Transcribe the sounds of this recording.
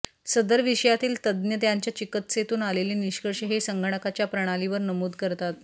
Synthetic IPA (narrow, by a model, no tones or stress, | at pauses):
səd̪əɾʋiɕəjat̪iːlt̪əd̪njəd̪jaɲt͡ɕjat͡ɕikət̪set̪uːnaleliːniɕkəɾɕəɦesəŋɡʱəɳ̃əkat͡ɕjapɾəɽ̃aliʋəɾnəmuːd̪kəɾt̪at̪̚